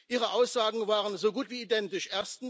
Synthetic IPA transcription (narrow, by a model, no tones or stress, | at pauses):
ʔiːʁəʔaʊsz̥aːɡŋ̩vaːʁənzoɡuːtv̥iːidɛntɪʃʔeːɐstn̩